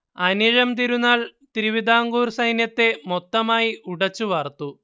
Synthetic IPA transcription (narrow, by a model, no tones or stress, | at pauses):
ɐniɻɐmt̪̬iɾunːaːlt̪iɾiʋid̪ʱaːŋɡuːrsɐjnjɐt̪ːe̞mot̪ːɐmaːjiʔuɽɐt͡ɕːuʋaːrt̪u